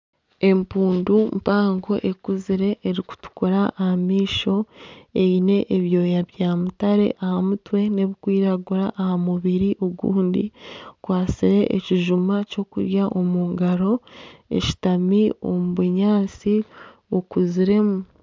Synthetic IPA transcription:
e̞mpuːndumpaːŋɡo̞ʔe̞kuziɾe̞ʔːɾiku̥tu̥kuɾaʔːhamiːʃo̞e̞ine̞ʔːβjo̞ːjaβjaːmutaɾe̞̰ʔahamutwe̞ne̞βikwiːɾaɡuɾaʔːhamuβiɾiʔoɡṵːndikwaːsiɾe̞ʔḛciʒumaco̞kṵɾjaʔo̞muːŋɡaɾo̞e̞̰ʃi̥tamio̞̰muβuɲaːt͡si | okuziɾe̞mu

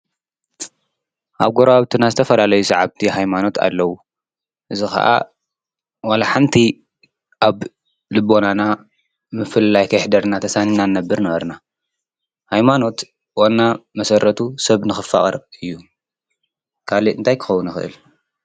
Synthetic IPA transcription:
ʔaβɡoɾaβt̪ʰɨnazɨt̪ʰɐfɐlalɐjusɐʕaβt̪ʰihajmano̞t̪ʰa̰lːɐwu | ʔɨzixɐ̰ʔa̰ | walaħant̪ʰi | ʔaβ | lɨbːo̞nana | mɨfɨllajkʰɐjħd̪ɐɾnat̪ʰɐsaninanːɐbːɨɾnɐβɐɾna | hajmano̞t̪ | wonːamɐsɐɾʔɐt̪ʰusɐβnɨxɨfa̰χʼɐɾɨjːu | kʰaliɨnt̪ʰajkʰɨ̥xɐwːunɨxɨʔɨ̰l

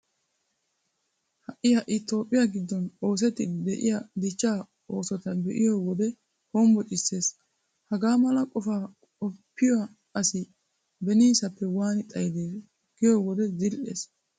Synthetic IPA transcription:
hɐʔːɪjɐʔɪt̪o̞ːpʼːɪjaɡɪd̪ːɔno̞ːs̬ɛt̪ːɪd̪ɛʔɪ̰jɐd̪ɪt͡ʃːaː | o̞ːsɔt̪ɐbɛʔɪjɔwɔd̪ɛ | hoːmbɔt͡ʃʼɪsːe̞ːs | hɐɡaːmɐlɐkʼɔfaː | ɔpːɪja | ɐsɪ | bɛniːsɐpːɛwaːnɪt̪ʼɐjd̪eːs | ɡ̥ɪjɔwɔd̪ɛzɪlʔḛːs

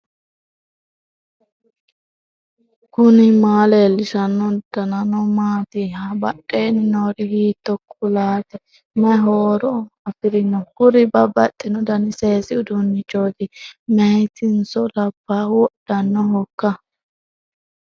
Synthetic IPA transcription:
kʊnɪmaːleːlɪʃɐnːɔd̪̥ɐnɐnɔmaːt̪ɪhɐbɐɗeːnɪnoːɾɪhiːt̪ːɔkʊlaːt̪ɛ | mɛɦoːɾɔɐfɪɾɪnːɔhʊɾɪbɐbːɐt̪ʼːɪnɔd̪ɐnɪse̞ːsɪʊd̪ʊnːɪt͡ʃoːd̪ɪmɛjt̪ɪnsɔlɐb̥ːawɔɗ̥ɐnːɔɦɔkːɐ

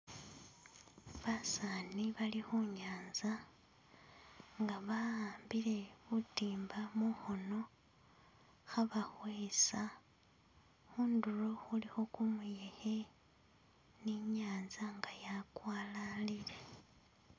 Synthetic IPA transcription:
βasaniβalixuɲaːnza | ŋɡaβaaːmbile̞βutiːmbamuxono̞ | xaβaxweːsa | xuːnduro̞xulixo̞kumujehe | niɲaːnzaŋɡajakwaːlalile̞

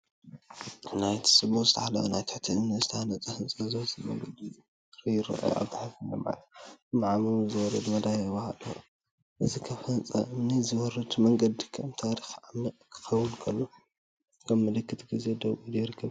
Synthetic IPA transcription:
najt̪ʰi̥sʼɨbuzɨt̪ʰɐħalɐ̰wunajt̪ʰɨ̥ħt̪ʰɨɨmnɐzɨt̪ʰɐhanɐt͡sʼɐhɨnt͡sʼɐzowzimɐ̰ŋɡɐd̪i | ɾɨjɪɾɨ̰ʔa̰βt̪ɨħafɨlːo̰ma̰lɐt̪ɨnaʕamɨzɨwɔɾɐd̪mɐd̪ajβɐhalu | ʔɨzikʰɐfɐnt͡sʼɐ̰mnizɨwɔɾɐd̪mɐŋɡɐd̪ikʰɐmt̪ʰaɾixʕamːɨʔkʰɨ̥xɐwːʊnkʰɐlːo | kʰɐmːɨlɨkːɨt̪ʰɡize̞d̪ɐβʔid̪ɐjɾɨkʰːɐβ

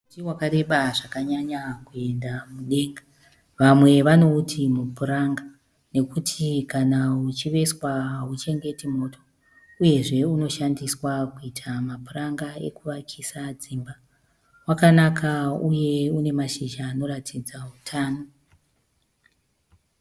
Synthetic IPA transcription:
utiwakaɾe̞ɓaʐakaɲaɲakue̞ndamuɗe̞ŋɡa | ʋamwe̞ʋano̞utʰimupuɾaŋɡa | ne̞kutʰikanaut͡ʃiʋe̞swaut͡ʃe̞ŋɡe̞timo̞ːtʰo̞ | uje̞ʐe̞uno̞ʃandiswakuitʰamapuraŋɡaḛkuʋakʰisad͡zimba | wakanakʰauje̞une̞maʃiʒaːno̞ɾatʰid͡zautʰaːno̞

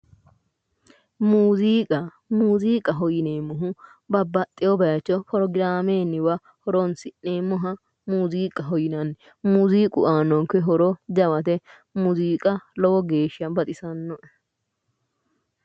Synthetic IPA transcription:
muːziːkʼɐ | muːziːkʼɐɦɔjɪneːmʊɦʊ | bɐbːɐt̪ʼːɪjɔbɐjɐt͡ʃːɔpɔɾɔɡɪɾaːmeːnːɪwɐ | hɔɾɔnsɪnːeːmʊɦɐ | muːziːkʼɐɦɔjɪnɐn | muːziːkʼʊ̰ʔaːnɔŋkːɛɦɔɾɔd͡ʒɐwɐt̪ɛ | muziːkʼɐlɔwɔɡe̞ːʃɪjɐnbɐt̪ʼɪsɐnːɔʔɛ

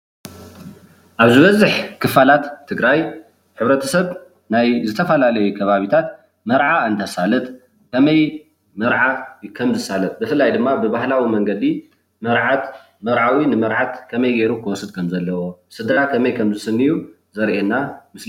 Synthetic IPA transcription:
ʔaβzɨβɐzɨħkʰɨfalat̪ʰːɨɡɾaj | ħɨβɾɐt̪ʰɐsɐβ | najzɨt̪ʰɐfɐlalɐjukʰɐβaβit̪ʰat̪ | mɐɾʕaɨnt̪ʰɐsalɐt̪ | kʰɐmɐj | mɐɾʕakʰɐmzɨsalɐt̪̚bɨfɨlajd̪ɨmːabɨbahlawimɐŋɡɐd̪i | mɐɾʕat̪ | mɐɾʕawinɨmɐɾʕat̪kʰɐmɐjɡeɾukʰɨwɔsɨd̪̚kʰɐmzɐlːɐwosɨd̪ɾakʰɐmɐjkʰɐmzɨsɨnːiju | zɐɾʔenamɨs

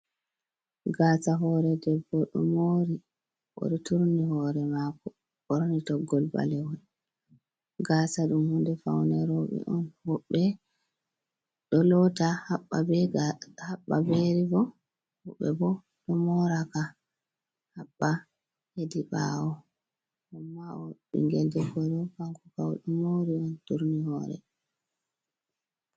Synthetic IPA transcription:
ɡaːsaɦɔɾɛdɛbːɔɗɔ̰moɾi | ʔɔ̰ɗɔtuɾnihɔːɾɛmakɔ | ɓɔɾnitɔɡːɔlba̰lɛwɔn | ɡaːsaɗumhundɛfawnɛɾɔɓɛ̰ʔɔnhɔɓːɛ | ɗɔlɔtahaɓːabɛhaɓːabeɾibɔ | huɓːɛ̰bɔ | ɗɔmɔɾaka | haɓːa | hediɓa̰wɔ | ɗɔmːaɔɓḭŋɡɛldɛɡɔɾɔfaŋkukawɗumoɾiɔntuɾnihɔːɾɛ̰

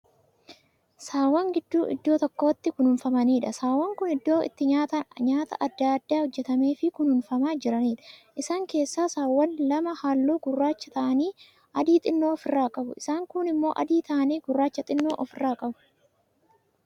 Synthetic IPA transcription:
saːwːɐŋɡɪd̪ːuːʔɪ̰d̪ːo̞ːt̪ɔkːo̞ːt̪ːɪkʊnhʊnfɐmɐniːᶑɐsaːwːɐŋkʊnɪd̪ːo̞ːʔɪ̰t̪ːɪɲaːt̪ɐnɲaːt̪ɐ̰ʔɐd̪ːaːɐd̪ːaːhɔd͡ʒːɛt̪ɐme̞ːfɪkʊnhʊnfɐmaːd͡ʒɪɾɐniːᶑɐ̥ʔɪsaːŋke̞ːsːaːsaːwːɐnlɐmɐhaːlːuːɡʊrːaːt͡ʃːɐt̪ɐʔɐniː | ʔɐd̪iːt̪ʼɪnːoːɔfɪrːaːkʼɐbʊʔɪsaːŋkʊnɪmːo̞ːʔɐd̪iːt̪ɐʔɐniːɡʊrːaːt͡ʃːɐt̪ʼɪnːoːʔɔfɪrːaːkʼɐbʊ̥

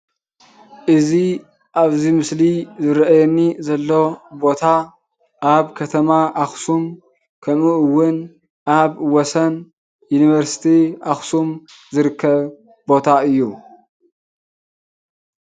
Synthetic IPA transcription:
ʔɨzi | ʔaβzimɨslizɨɾʔɐjɛnːizɐlːo̞bo̞t̪ʰa | ʔaβkʰɐt̪ʰɐmaʔaxsum | kʰɐmuɨwːʊn | ʔaβwɔsɐn | juniβɐɾsi̥t̪ʰiʔaxsum | zɨɾɨkʰːɐβ | bo̞t̪ʰaɨjːu

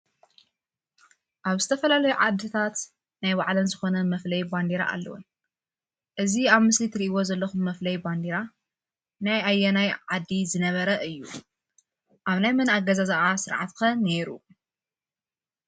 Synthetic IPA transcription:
ʔaβzɨt̪ʰɐfɐlalɐjuʕad̪ɨt̪ʰat̪ | najbaʕlɐnzɨxo̞nɐmɐflɐjband̪iɾa̰ʔa̰lːɐ̰wṵn | ʔɨziaβmɨslit̪ʰɨɾiʔiwo̞zɐlːɐxumːɐflɐjband̪iɾa | najajːɐnajʕad̪ːizɨnɐβɐɾɐʔɨjːu | ʔaβnajmɐnaɡɐzazaʔasɨɾʕa̰t̪kʰɐne̞ɾu

